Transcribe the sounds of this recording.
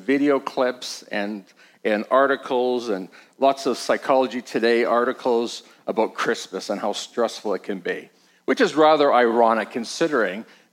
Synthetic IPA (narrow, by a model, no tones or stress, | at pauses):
vɪɾioʊkʰl̥ɪpsɨ̃n | ɨ̃nɑɹɾɨkʰl̩ˠzɨ̃nlɔtsʌv̥saɪkʰɑlˠəd͡ʒitʰɨdeɪʔɑɹɾɨkʰl̩ˠz | ʔəbaʊt̚kʰɹ̥ɪsmɨsə̃nhaʊstɹ̥ɛsfl̩ˠət̚kʰɨ̃nbi | wɨt͡ʃɨzɹæðə˞ʔaɪɹɑnɨkʰːɨ̃nsɪɾə˞ɪ̃ŋ